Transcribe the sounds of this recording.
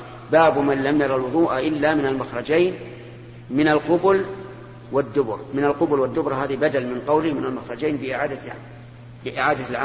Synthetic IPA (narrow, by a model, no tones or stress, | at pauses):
baːbmanlamjɑɾˤɑlwʊðˤuːʔaʔɪlːamɪnalmaxɾˤɑd͡ʒaːn | mɪnalqʊbʊl | wad̪ːʊbʊɾˤmɪnalqʊbʊlwad̪ːʊbɾˤɑɦaːðibad̪almɪnqɑwlɪhmɪnalmaxɾˤɑd͡ʒaːnbɪʔɪʕaːd̪a | bɪʔɪʕaːd̪alʕa